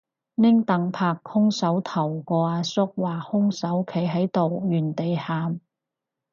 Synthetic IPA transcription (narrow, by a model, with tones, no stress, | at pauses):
nɪ˥ŋt̪ɐ˨˥ŋpʰaː˧k̚hʊ˥ŋsɐ˨˥wt̪ʰɐ˨˩wkɔː˧aː˧sʊ˥k̚waː˨hʊ˥ŋsɐ˨˥wkʰe˨˥jɦɐ˨˥jt̪o˨wjyː˨˩nt̪e˨jhaː˨m